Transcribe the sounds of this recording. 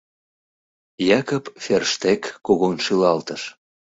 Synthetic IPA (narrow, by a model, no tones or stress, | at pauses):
jɑkəpferʃt̪ekːoɣonʃylɑlt̪əʃ